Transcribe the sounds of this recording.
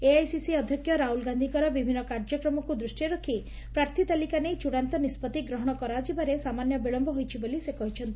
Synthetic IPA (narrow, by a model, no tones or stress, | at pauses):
eajsisiɔd̪ʱjɔkʰjɔɾaɦulɡand̪ʱikɔɾɔbibʱinːɔkaɾd͡ʒɔkɾɔmɔkud̪ɾusʈjeɾɔkʰi | pɾaɾt̪ʰit̪alikanejt͡ʃuɽ̃ant̪ɔnispɔt̪iɡɾɔɦɔɽ̃ɔkɔɾad͡ʒibaɾesamanjɔbiɭɔmbɔɦojt͡ʃʰibolisekɔɦit͡ʃʰɔnt̪i